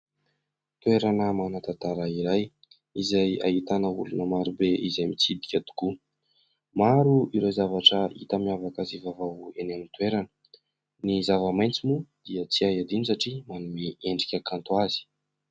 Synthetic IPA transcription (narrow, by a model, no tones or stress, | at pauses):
t̪weɾanəmanat̪at̪aɾaiɾaj | izaja̰ɦit̪anəulunəmaɾubeʔizajmit͡sid̪ikʲad̪u̥ku | maɾuiɾozavaʈ͡ʂəḭt̪əmiavakazivavawenamit̪weɾanə̥ | nizavəmajnt͡simud̪̥iət͡siajad̪inisaʈ͡ʂimanumieɳɖ͡ʐi̥kʲakant̪uaz̥i̥